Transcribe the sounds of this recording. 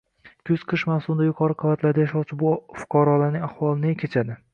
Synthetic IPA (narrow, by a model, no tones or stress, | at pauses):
kʲʰɵz̥qʰɨʃmafsʊmd̪ajʊqʰɒɾɨqʰɨvat̪laɾd̪ajaʃɒwt͡ʃʰɪbʊfʊ̥qʰɒɾɒlaɾnɪŋʲahwɒlˠɪnɪkʰʲet͡ʃʰad̪ɪ